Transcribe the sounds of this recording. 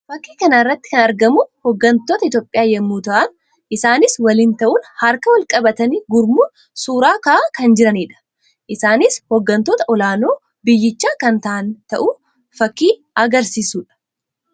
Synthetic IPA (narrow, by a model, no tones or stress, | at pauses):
fɐkːiːkɐnaɪrːɐt̪ːɪ̥kɐnɐɾɡɐmʊhɔɡːɐnt̪oːt̪ɐɪt̪joːpʼːɪjaːjɛmːuːt̪ɐʔɐn | ʔɪsaːnɪswɐlɪnt̪ɐʔuːnhɐɾkɐwɐlkʼɐbɐt̪ɐniːɡʊɾmu | suːɾaːkɐʔakɐnd͡ʒɪɾɐniːᶑɐ̥ | ʔɪsaːnɪshɔɡːɐnt̪oːt̪ɐʔɔlaːnoː | bɪjːɪt͡ʃːaːkɐnt̪ɐʔɐnt̪ɐʔʊ | fɐkːiː | ɐɡɐɾsiːsuːᶑɐ̥